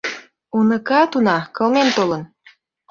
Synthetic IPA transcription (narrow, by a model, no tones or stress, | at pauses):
unə̆kɑt̪unɑkɤ̆lment̪olə̆n